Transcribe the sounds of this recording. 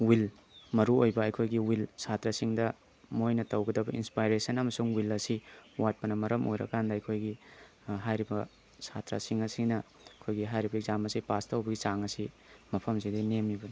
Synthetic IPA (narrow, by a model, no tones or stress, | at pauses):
wil | mɐɾuojbɐːjkʰojɡiwilsatɾasiŋdɐ | mojnɐtɐwɡɐdɐbɐinspajɾesɐnɐmɐsuŋwilɐsiwat̚pɐnɐmɐɾɐmʔo̰jɾɐ̰kandɐːjkʰojɡi | ɦajɾibɐ | sa̰tɾa̰siŋɐsinɐ | ɐkʰojɡiɦajɾibɐek̚zamɐsipastawbɐɡit͡ʃaŋɐsi | mɐpʰɐmsidinemibɐni